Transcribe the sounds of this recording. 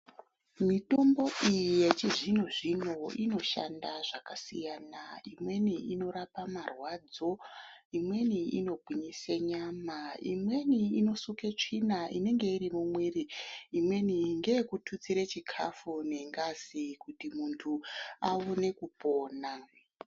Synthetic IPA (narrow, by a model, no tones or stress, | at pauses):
mito̞mbo̞ʔijije̞t͡ʃiʐinuʐino̞ino̞ʃa̰ndaʐakasijaːnaimwe̞niino̞ɾapamarwaːd͡zo̞imwe̞niḭno̞bʱwiɲiseɲamaḭmwe̞niːno̞suket͡ʂinaine̞ŋɡe̞iɾimumwiriːmwe̞niŋɡe̞jekutʰut͡siɾet͡ʃikʰa̰fune̞ŋɡazikutimuntʰuaone̞kupo̞ːna